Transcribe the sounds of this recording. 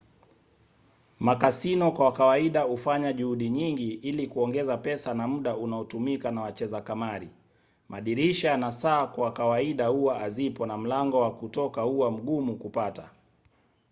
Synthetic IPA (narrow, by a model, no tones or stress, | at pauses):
makasinɔkwawakawaiɗahufaɲaʄuhuɗiɲiŋɡiʔilikuɔŋɡɛzapɛsanamm̩ɗaunaɔtumikanawat͡ʃɛzakamaɾi | maɗiɾiʃanasaːkwawkawaiɗahuwaazipɔnam̩laŋɡɔwakutɔkauwam̩ɠumukupata